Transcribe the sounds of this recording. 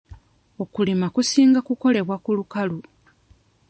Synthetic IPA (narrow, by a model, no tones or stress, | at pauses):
o̞kulimakusiːŋɡakuko̞le̞βwakulukalu